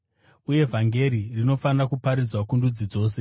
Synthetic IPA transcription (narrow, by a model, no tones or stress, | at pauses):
uje̞vʱaŋɡe̞ɾirino̞fanirakupaɾid͡zwakundud͡zid͡zo̞ːse̞